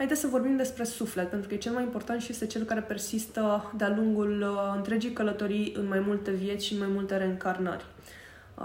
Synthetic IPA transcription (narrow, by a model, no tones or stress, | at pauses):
hajd̪esəvo̞rbimd̪e̞spɾe̞suflet̪̚pent̪ɾukəjet͡ʃe̞lmajimpo̞rt̪ant̪ʃije̞st̪e̞t͡ʃe̞lkaɾe̞pe̞rsist̪əd̪ealuŋɡulɨnt̪ɾe̞d͡ʒijkələt̪o̞ɾijɨnmajmult̪e̞vje̞t̪sʲʃinmajmult̪e̞ɾeŋkarnə̰rʲ